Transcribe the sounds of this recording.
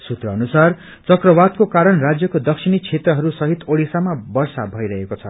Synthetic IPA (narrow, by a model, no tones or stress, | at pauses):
sut̪rʌːnusar | t͡sʌkrʌbad̪̚kokaɾʌnrad͡zjʌkod̪ʌksʰinit͡sʰet̪rʌɦʌɾusʌɦit̪oɽisamabʌrsabʱʌiɾʌɦekot͡sʰʌ